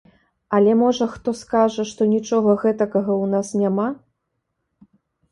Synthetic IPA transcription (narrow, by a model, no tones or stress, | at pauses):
ɐlʲɛmɔʐɐxt̪ɔskaʐɐʂt̪ɔnʲit͡ʂɔɣɐɣɛt̪ɐkɐɣɐwnasnʲama